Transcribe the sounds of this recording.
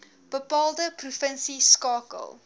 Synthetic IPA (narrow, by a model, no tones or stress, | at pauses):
b̥əpɑːlˠdəprufənsiskɑːkə̰lˠ